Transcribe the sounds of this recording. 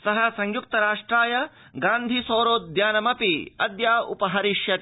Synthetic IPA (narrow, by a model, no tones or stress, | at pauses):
sɐɦɐsɐŋjuk̚t̪ɐɾaːʂʈɾaːjɐ | ɡaːnd̪ʱisoːɾoːd̪ʱjaːnɐmɐpiɐ̰d̪jaːṵpɐɦɐɾiʃjɐ